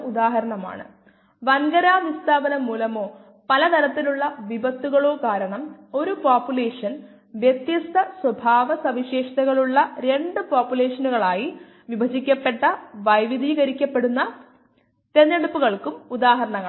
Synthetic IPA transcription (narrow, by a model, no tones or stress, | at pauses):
ud̪aːɦɐɾɐɳɐma̰ːɳɨ̰ | ʋɐŋɡɐɾaːʋist̪ʰaːbɐnɐmːuːlɐmo̞ː | pɐlɐt̪ʰɐɾɐt̪ːiluɭːɐʋibɐt̪ːuɣɐɭo̞ːkaːɾɐɳɐmo̞ɾupaːpːjule̞ːʂɐn | ʋjet̪jɐst̪ʰɐswɐbʱaːʋɐsɐʋiɕeːʂɐt̪ɐɣɐɭuɭːɐɾe̞ɳɖɨpaːpjule̞ːʂɐnuɣɐɭaːji | ʋibʱɐd͡ʑikʲːɐpːe̞ʈːɐʋɐjʋid̪ʱiːɣɐɾikʲːɐpːe̞ɽunːɐ | t̪enːeɽupːuɣɐɭkumud̪aːɦɐɾɐɳɐɣɐ